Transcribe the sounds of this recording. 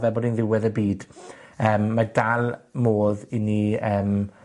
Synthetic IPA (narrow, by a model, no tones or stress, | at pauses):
vɛbɔːdinðɪwɛðəbiːd̥əːmːadalˠmoːðiniəːm